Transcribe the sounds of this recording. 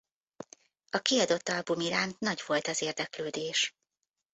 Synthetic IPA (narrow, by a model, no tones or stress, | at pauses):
ɒkiɒd̪o̞t̪ːɒlbumiɾaːnt̪nɒɟʋo̞lt̪ɒzeːrd̪ɛkløːd̪eːʃ